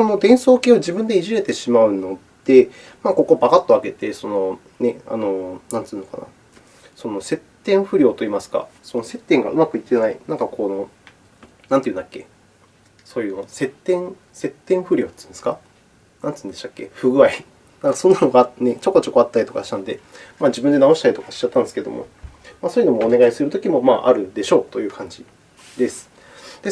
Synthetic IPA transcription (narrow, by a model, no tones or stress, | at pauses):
sono̞d̪ẽ̞ɰ̃so̞ːkʲeoʑibɯ̟̃nd̪e̞iʑiɾe̞t̪e̞ɕimaɯ̟no̞ | d̪̥e̞ | mako̞kobakat̪ːo̞aɡe̞t̪e̞so̞no̞ | nea̰no̞nãntt͡sɨːnoka̰na̰ | so̞no̞se̞t̪ːẽ̞ɰ̃ɸɯ̟ɾʲjo̞ːt̪o̞iːmasɨ̥ka̰so̞nose̞t̪ːẽ̞ŋɡa̰ʔɯ̟makɯ̟it̪ːe̞nainãŋkakʰo̞ːno̞ | nãnt̪ejɯ̟nd̪akːe̞̰ | so̞ːjɯ̟nose̞t̪ːẽ̞ŋ | se̞t̪ːẽ̞ɰ̃ɸɯ̟ɾʲo̞ːt̪ːɨ̃nsɨ̥ka | nãnt̪t͡sɨ̃ːnd̪e̞ɕakːe̞̰ɸɯ̟ɡɯ̟ai | nãŋkasõ̞nːano̞ɡanet͡ɕo̞kːot͡ɕo̞kːo̞at̪ːaɾit̪o̞kaɕi̥t̪ãnod̪e̞maːd͡ʑibɯ̟nd̪enao̞ɕi̥t̪aɾʲit̪okaɕi̥t͡ɕat̪ːand̪sɨkeed̪omo̰maːsoːjɯ̟no̞moːne̞ɡaisɨɾɯ̟t̪o̞kʲimo̞ma̰ːʔa̰ɾɯ̟d̪e̞ɕo̞ːt̪o̞jɯ̟ːkʰãɲ̟d͡ʑi | d̪e̞sɨ̥ | d̪̥e̞